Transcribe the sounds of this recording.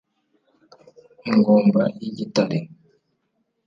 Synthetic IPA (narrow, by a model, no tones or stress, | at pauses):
ŋɡɔmbaiɟitali